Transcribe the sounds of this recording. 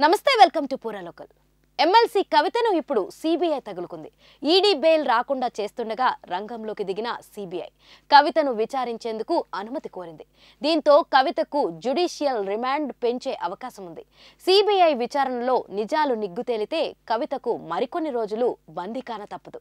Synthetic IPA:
nɐmɐst̪e̞ːʋelkɐmʈupuːɾaːloːkɐl | e̞mːelsiːkɐʋit̪ɐnuipːuɽusiːbijɐjt̪ɐɡɐlukund̪i | iːɖiːbeːjlɾaːkuɳɖaːt͡ʃe̞ːst̪uɳɖɐɡaːɾɐŋɡɐmlo̞ːkid̪iɡinɐsiːbijɐ̰j | kɐʋit̪ɐnuʋit͡ʃaːɾiɲt͡ʃe̞ːnd̪ukuɐnumɐt̪iko̞ːɾind̪i | d̪iːnt̪o̞ːkɐʋit̪ɐkud͡ʒuɖiːʃijɐlɾimaːɳɖpe̞ɲt͡ʃe̞ːʔɐʋɐkaːʃɐmund̪i | siːbijɐjʋit͡ʃaːɾɐɳɐlo̞ːnid͡ʒaːluniɡːut̪e̞ːlit̪e̞ːkɐʋit̪ɐkumɐɾiko̞nːiɾo̞ːd͡ʒulubɐnd̪ʱikaːnɐt̪ɐpːɐd̪u

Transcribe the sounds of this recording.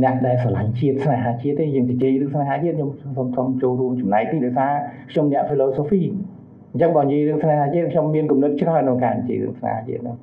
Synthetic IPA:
nɛ̆əʔɗaɛlsalaɲt͡ɕiət̪̚snaɦaːt͡ɕiət̪ːeːjəːŋt͡ɕat͡ɕeːjrɨːŋsnaɦaːt͡ɕiət̪̚ʰomsomt̪ʰomt͡ɕoːlruəmt͡ɕɑmnaɛk̚t̪iːɗɑɔsaːkʰɲomnɛ̆əʔfiːloːsoːfiː | əɲt͡ɕəŋɓɑːnjiəjrɨəŋsnaɦaːt͡ɕiət̪̚kʰɲomːiənkumnɨt̪̚t͡ɕrahnɨwka̰ːnt͡ɕḛːjrɨ̰əŋsna̰ha̰ːt͡ɕḭət̪̚nɨŋ

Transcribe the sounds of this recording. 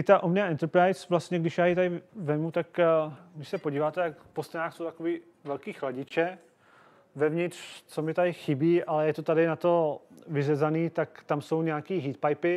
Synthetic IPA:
ɪt̪aʔomɲɪaʔɛnt̪ɛɾpɾajsvlast̪ɲɛɡdɪʃjaːjit̪adɪvɛmut̪akvɪsɛpoɟiːvaːt̪ɛjakpost̪ɛnaːxsowt̪akoviː | vɛlkiːxlaɟɪt͡ʃɛ | vɛvɲɪt̪r̥t͡so̞mɪt̪adɪxɪbiːʔalɛjɛt̪ot̪adɪnat̪o̞vɪzɛzaniːt̪akt̪amso̞wɲɛakiːɦiːt̪̚pajpɪ

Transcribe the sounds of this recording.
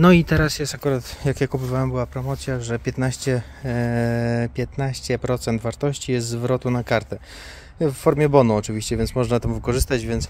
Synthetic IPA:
nɔit̪ɛɾasjɛst̪akuɾat̪jakjakubɘvawɛmbɘwapɾɔmɔt̪sʲjaʐɛpʲjɛt̪naɕt͡ɕɛ | pʲjɛt̪naɕt͡ɕɛpɾɔt̪sɛnt̪vaɾt̪ɔɕt͡ɕijɛst̪zvɾɔt̪unakaɾt̪ɛ | fːɔɾmʲjɛbɔnuɔt͡ʂɘvʲiɕt͡ɕɛvʲjɛnt̪smɔʐnat̪ɛmvɘkɔʐɘst̪at͡ɕd͡ʑvʲjɛnt̪s

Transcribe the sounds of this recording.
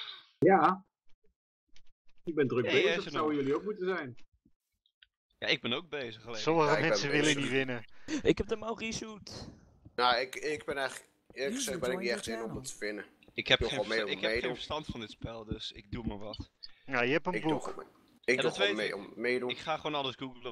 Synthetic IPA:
ja | ɪɡ̚bɛndrək̚besawəjøliowkmutəzɛjn | ja̰ɪɡ̚bɛnowɡ̚bejzəχəlesɔməχəmɛnɛssəʋɪləniʋɪnəɪkhɛb̚dəmawˠrisut | naɪkɪkbɛnɛjχlək | ɪːləkχəzɛχbɪnɪkniɛxtɪnɔmətə̥fɪnəɪkhɛpemeɪɛejenfəɹstɑntfɑndɪtspɛlˠdøsɪ̰ɡ̚dumaɹʋɑtnajəɦɛpənɪɡṵ | ɪk̚dɔtʋemeɔ̰mmejduɪkχaːχʋoːnɑləsɡuɡlˠə

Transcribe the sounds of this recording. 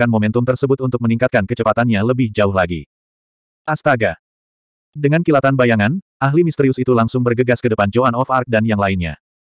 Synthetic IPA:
anmomɛnt̪ʊmt̪ərsəbʊt̪̚unt̪ʊk̚məniŋkat̪̚kankət͡ʃəpat̪anɲaləbɪhd͡ʒaʊɦlaɡḭ | ʔast̪aɡa | dəŋankilat̪anbajaŋanʔaɦlimist̪əɾiʊsit̪ulaŋsʊŋbərɡəɡaskədəpand͡ʒoanɔfark̚danjaŋlainɲa̰

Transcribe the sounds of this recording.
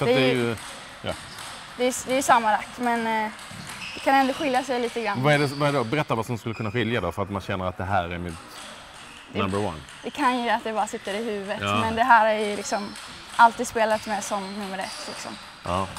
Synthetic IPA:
fɾad̪ɛd̪ɛɾjɵ | jɑ̰ː | d̪ɛːd̪ɛɾjəsamːad̪ak̪ːmɛn | d̪ɛkʰanɛnd̪ʊɧɪljasɛjliːt̪əɡɾanvaɛɖɛvaɛɖɔbɛɾɛt̪ːaɾvasɔmskɵlːəkʰɵnːaɧɪljad̪ɔfœɾat̪manɕɛnːəɾat̪̚d̪ɛɦæːɾæɾmɪd̪ | ambəɾwa̰n | d̪ɛkʰanjəat̪̚d̪ɛbɑːɾasɪt̪ːəɾɪhʉ̟ːvət̪ːmmɛnd̪ɛɦæːɾhæɾjɵlɪksɔm | ʔalt̪iːd̪speːlat̪mɛsɔmnɵmːəɾɛ̰t̪ʰːlɪ̰ksɔ̰m | ʔɑː

